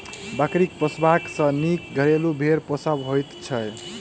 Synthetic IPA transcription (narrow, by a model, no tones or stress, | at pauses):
bakɾik̚pʌsbaksʌ̃nik̚ɡʱʌɾelubʱeɾpɔsabɦojt̪t͡ʃʰʌj